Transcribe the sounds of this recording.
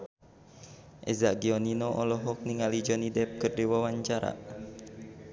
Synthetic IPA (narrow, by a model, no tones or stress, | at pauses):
ʔɛzaʔɡiɔninɔʔɔlɔɦɔk̚niŋalid͡ʒɔnidɛp̚kɨrdiwawaɲt͡ʃaɾa̰